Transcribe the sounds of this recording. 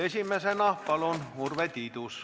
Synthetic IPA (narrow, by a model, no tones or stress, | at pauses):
esimːæsenɑhpɑlonurʋet̪ʲiˑt̪us